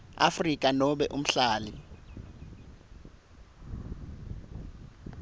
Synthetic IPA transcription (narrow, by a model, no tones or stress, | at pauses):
a̰frikʼanɔɓɛʔum̩ɬaːli